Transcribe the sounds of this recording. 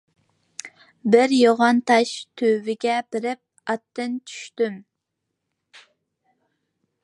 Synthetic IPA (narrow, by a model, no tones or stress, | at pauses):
bɪɾjoʁɑnt̪ʰɑʃt̪ʰøvɪɡʲɛbɪɾɪp̚ | ɑt̪ːɨnt͡ʃʰy̥ʃt̪ym